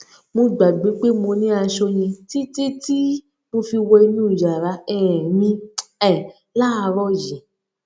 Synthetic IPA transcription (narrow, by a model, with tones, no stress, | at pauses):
mõ˧ɡ͡ba˨ɡ͡be˨˦k͡pe˦mo˧nĩ˦a˧ʃo˧j̃ĩ˧ti˦ti˦ti˦ | mo˧fi˧wɔ˧i˧nũː˦i˨d͡ʒa˨ɾa˨˧˦ɛ˧˨ɛ̃˨nĩ˧ɛ˦˨ | la˦˧ɾɔ˦jĩ˨